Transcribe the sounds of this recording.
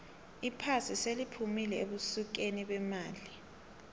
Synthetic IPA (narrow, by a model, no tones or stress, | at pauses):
ipʰasiselipʰumilɛeɓusuk̬eniɓɛmaːli